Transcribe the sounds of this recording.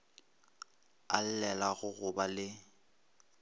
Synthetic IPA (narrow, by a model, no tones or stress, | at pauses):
a̰l̩lɛlaɣʊɣʊbalɪ